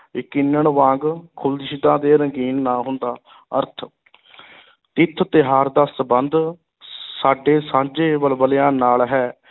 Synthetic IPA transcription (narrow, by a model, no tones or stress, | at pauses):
ɪkɪnːəɳʋãːŋɡkʰʊld̪ɪʃɪd̪ãːd̪eːɾəŋɡiːnːaːɦʊnd̪aː | əɾt̪ʰ | t̪ɪt̪ʰːt̪ɪɦaːɾd̪aːsəbənd̪ | saːɖeːsãːnd͡ʒeːʋəlbəljãːnaːlɦɛː